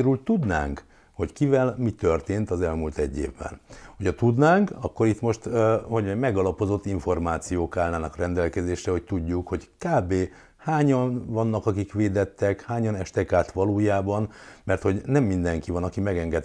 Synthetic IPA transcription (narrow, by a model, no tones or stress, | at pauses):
ɾylt̪ud̪na̰ːŋk | ho̞ckivɛlmit̪ørt̪eːnt̪ɒzɛlmult̪ɛɟːḛːvbɛ̰nhocʰɒt̪ud̪naːŋkɒkːo̞ɾit̪mo̞ʃt̪hoɟmɛmɛɡɒlɒpo̞zo̞t̪ːiɱfo̞rmaːt̪sijoːkaːlnaːnɒkrɛnd̪ɛlkɛzeːʃrɛho̞c̚t̪uɟːukho̞ɟkaːbeː | haːɲɒnvɒnːɒkɒkikʋeːd̪ɛt̪ːɛkhaːɲɒnɛʃt̪ɛkaːt̪ʋɒloːjaːbɒnmɛrt̪ho̞ɟnɛmːind̪ɛŋkivɒnɒkimɛɡɛŋɡɛt̪